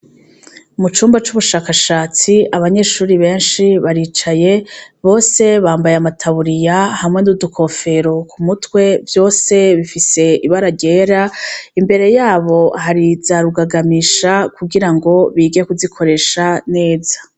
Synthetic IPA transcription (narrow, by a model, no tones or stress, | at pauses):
mut͡ʃuːmbat͡ʃuβuʃaːkaʃaːt͡siaβaɲe̞ʃuːɾiβe̞ːnʃiβaɾiːt͡ʃaje̞βo̞ːse̞βaːmbajeamatʰaβuɾijahamŋe̞nudukʰo̞fe̞ɾokʰumutkwe̞vjo̞ːse̞βifise̞iβaɾaɟe̞ːɾaimbe̞ɾe̞jaːβo̞haɾizaɾuɡaɡamiːʃakuɡiɾaŋɡo̞βiːɡekuzikʰo̞ɾe̞ːʃane̞ːzḁ